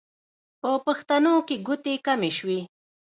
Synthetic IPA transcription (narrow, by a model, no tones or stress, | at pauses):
pəpaxt̪anokeɡʊt̪ekameʃwi